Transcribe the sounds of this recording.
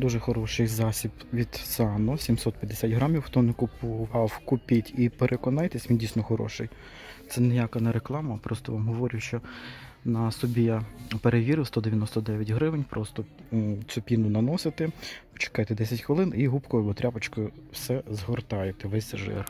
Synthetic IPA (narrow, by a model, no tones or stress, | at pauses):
d̪uʒɛxɔɾɔʃɪjzɑsʲibʋʲid̪̥sɑnɔsʲimsɔt̪pʲjɐd̪ːesʲatʲɦɾɑmʲiwːt̪ɔnɪkʊpɔɦɑwkʊpʲitʲipeɾʔekɔnɑjt̪esʲʋʲindʲijsʲnɔxɔɾɔ̰ʃɪ̰j | t̪sɛnejakɐnɛɾeklˠɑmɐpɾɔst̪ɔʋɑmɦɔʋɔɾʲʊʃt͡ʃɔ | nɐsɔbʲijapeɾeʋʲiɾɪwst̪ɔd̪eʋʲjɐnɔst̪ɔd̪ɛʋʲjɐtʲɦɾɪʋɪnʲpɾʔɔst̪ɔsʲʊpʲinʊnɐnɔsɪt̪ɛt͡ʃe̥kɑjt̪ɛd̪ɛsʲɐtʲxʋelˠɪniɦupkɔɔbɔt̪ɾʲapɐt͡ʃkɔʊwsɛzɦɔrt̪ɑjet̪ɛʋɛsʲʒɪ̰r